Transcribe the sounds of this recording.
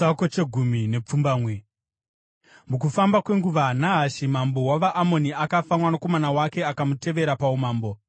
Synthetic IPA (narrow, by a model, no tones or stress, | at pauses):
akot͡ʃe̞ɡʱumine̞p͡fumbaːmwe | mukufambakwe̞ŋɡuʋanaɦaʃimambo̞waʋaʔːmo̞niakafamwanako̞manawake̞akamute̞ʋe̞ɾapaumaːmbo̞